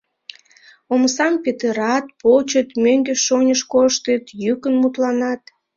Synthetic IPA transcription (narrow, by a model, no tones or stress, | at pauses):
omsɑmpʲet̪əɾɑt̪pot͡ɕət̪møŋɡeʃonʲəʃkoʃt̪ət̪jykənmut̪lɑnɑt̪